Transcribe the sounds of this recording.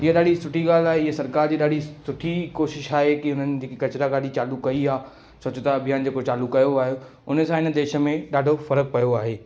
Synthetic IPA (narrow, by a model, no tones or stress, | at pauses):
ɪɦeɗaːɖʱisʊʈʰiɠaːl̤aːɦeɪɦesɐɾkaːɾd͡ʑiːɗaːɖʱisʊʈʰikoːʃɪʃaːɦekiʊnənɪd͡ʑiːkikɐt͡ɕɪɾaɡaːɗʱit͡ɕaːlukɐiaː | soːt͡ɕʊt̪aɐbʱijaːnd͡ʑeːkot͡ɕaːlukɐjoaːɦjo | ʊnəsãɪnəd̪eːʃə̆mẽɗaːɖʱofɐɾək̚pɐjoaːɦeː